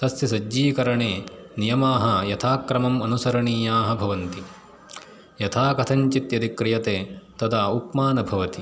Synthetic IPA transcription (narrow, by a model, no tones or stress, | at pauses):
t̪ɐsjɐsɐd͡ʒːiːkɐɾɐɳeːnijɐmaːɦɐ̆jɐt̪ʰaːkɾɐmɐmɐnusɐɾɐɳiːjaːɦɐbʱɐʋɐnt̪i | jɐt̪ʰaːkɐt̪ʰɐɲt͡ʃit̪jɐd̪ikɾijɐt̪eːt̪ɐd̪ʰaːukmaːnɐbʱɐʋɐt̪i